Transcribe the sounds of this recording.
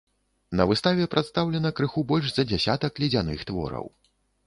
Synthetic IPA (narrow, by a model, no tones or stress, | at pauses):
nɐvɨst̪avʲɛpɾʔat̪st̪awlʲɛnɐkɾɨxubɔlʲʂzɐd͡zʲasʲat̪ɐklʲid͡zʲanɨxt̪vɔ̰ɾɐ̰w